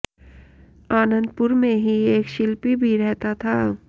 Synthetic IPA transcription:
aːnə̃nd̪pʊɾmẽɦieːkʃɪlpibʱiɾɛɦt̪at̪ʰaː

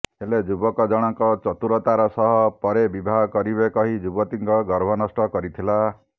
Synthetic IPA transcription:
eled͡ʒubɔkɔd͡ʒɔɽ̃ɔŋkɔt͡ʃɔt̪uɾɔt̪aɾɔsɔɦɔpɔɾebibʱaɦkɔɾibekɔɦid͡ʒubɔt̪iŋkɔɡɔɾbʱɔnɔsʈɔkɔɾit̪ʰila

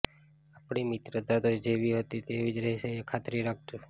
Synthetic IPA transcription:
apɳimit̪ɾəd̪ad̪od͡ʒeʋiɦət̪it̪eʋid͡ʒɾəɦiseekʰat̪ɾiɾak̚ʰt̪u

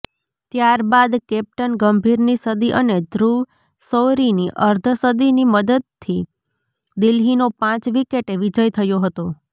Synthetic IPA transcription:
t̪jaɾbad̪kɛp̚ʈənɡəmbʱiɾnisəd̪iʔəned̪ʱɾuʋ | soɾiniʔəɾd̪ʱəsəd̪iniməd̪əd̪̚t̪ʰːi | d̪ilɦinopãt͡ʃʋikeʈeʋid͡ʒəjt̪ʰəjoɦət̪o

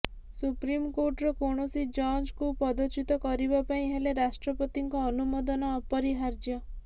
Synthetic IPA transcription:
supɾimkoʈɾɔkoɳ̃ɔsid͡ʒɔnd͡ʒkupɔd̪ɔt͡ʃit̪ɔkɔɾibɔpaĩɦeleɾasʈɾɔpɔt̪iŋkɔːnumod̪ɔnɔːpɔɾiɦaɾd͡ʒjɔ

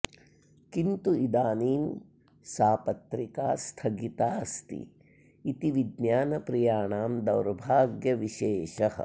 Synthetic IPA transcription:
kint̪uid̪aːniːn | saːpɐt̪ɾikaːst̪ʰɐɡit̪aːst̪ḭ | it̪iʋid̪njaːnɐpɾijaːɳaːmd̪ɐwɾbʱaːɡjɐʋiʃeːʃɐhɐ̰̆

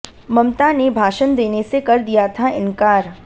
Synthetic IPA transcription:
mɐmt̪anebʱaːʃənd̪eːnesekɐɾd̪ijat̪ʰaɪ̃nkaːɾ

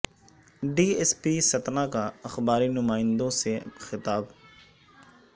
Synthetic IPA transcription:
ɖiːespiːsɐt̪naːkaɐxbaːɾiːnʊmaːɪ̃nd̪õːsexɪt̪aːb

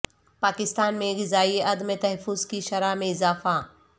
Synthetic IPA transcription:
paːkɪst̪aːnmẽɣɪzaːieʔɐd̪met̪ɐɦəfʊzkiʃɐɾaːmẽɪzaːfa

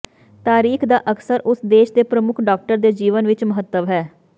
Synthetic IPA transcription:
t̪aːɾiːkʰd̪aːʔəksəɾʔʊsd̪eːʃd̪eːpɾəmʊkʰɖɔːk̚ʈəɾd̪eːd͡ʒiːʋənʋɪt͡ʃməɦət̪ːəʋɦɛː

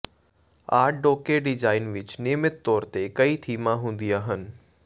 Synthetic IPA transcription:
aːɖoːkeɖɪd͡ʒaːɪnʋɪt͡ʃnɪːmɪt̪ːɔːɾt̪ekɐit̪ʰiːmãɦũːn̆d̪iaːɦənɪ̆

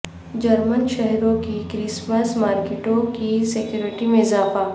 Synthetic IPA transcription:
d͡ʒɐɾmənʃɛɦɾõkikɾɪsməsmaːɾkɪʈõkisekjuːɾɪʈimẽɪzaːfa

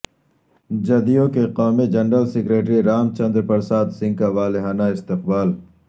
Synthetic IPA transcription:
d͡ʒɐd̪ijõkeqaːmid͡ʒɐnɾəlsɪkɾeːʈɾiɾaːmt͡ʃɐ̃nd̪ɾpɐɾsaːt̪sɪ̃ŋkaʋaːleɦaːnaɪst̪ɪq̚baːl

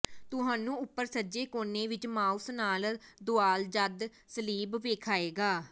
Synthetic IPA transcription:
t̪ʊɦãːnũːʊpːəɾsəd͡ʒeːkoːneːʋɪt͡ʃmaːʊsnaːld̪ʊaːld͡ʒəd̪ | səliːbʋeːkʰaːeːɡaː

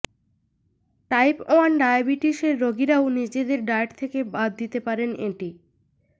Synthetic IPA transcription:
ʈajpɔanɖajabiʈiʃeɾːoɡiɾaonid͡ʑed̪eɾɖajʈt̪ʰekebad̪ːit̪epaɾeneʈi

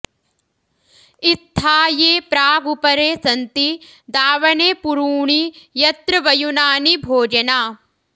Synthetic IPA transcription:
it̪ʰːaːjeːpɾaːɡupɐɾeːsɐnt̪i | d̪aːʋɐɳeːpuɾuːɳijɐt̪ɾɐʋɐjunaːnibʱoːd͡ʒɐnaː

